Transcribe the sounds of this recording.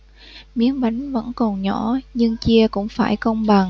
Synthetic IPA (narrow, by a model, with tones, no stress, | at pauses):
mi˨˦ənɓa˨˦jŋvə̰˧˥nkɔ˨˩nɲɔ˧˩ɲɨ˧ŋt͡ɕi˧əkʊ̰˧˥ŋ͡mfaː˧˩jkə˧wŋ͡mɓa˨˩ŋ